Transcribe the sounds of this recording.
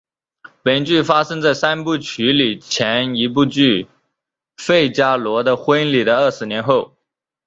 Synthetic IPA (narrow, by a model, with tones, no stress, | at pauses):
pe˨˩nt͡ɕy˥˩fa˥ʂɤ˥ŋt͡sa˥˩ɪsa˥npu˥˩t͡ɕʰy˧˥li˨˩t͡ɕʰjɛ˧˥ni˧˥p̬u˥˧t͡ɕy˥˧ | fe˥˩ɪt͡ɕja˥lwɔ˧˥d̪ə˧xwə˥nli˨˩d̪ə˦ə˥˩ʂɻ̩˧˥njɛ˧˥nxo˥˩ʊ